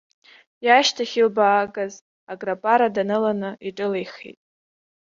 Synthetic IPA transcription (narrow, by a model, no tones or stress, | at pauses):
jaʃtʰaχʲilbaːɡʼaz | aɡrapʼaɾadanɨlanɨiʈ͡ʂʼɨlejχḛtʼ